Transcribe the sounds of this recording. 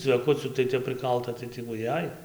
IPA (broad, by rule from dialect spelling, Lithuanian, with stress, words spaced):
t͡sʲʋʲɛˈkʊt͡sʲuː tɐɪ ˈtʲɛp prɨˈkɐlˠtɐ tɐɪ tʲɪ ʋʊˈjɛɪ